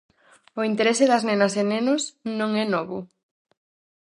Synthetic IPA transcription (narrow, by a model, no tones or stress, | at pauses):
ʊint̪eɾesɪðɐznenɐsenenʊsnõŋɛnɔβʊ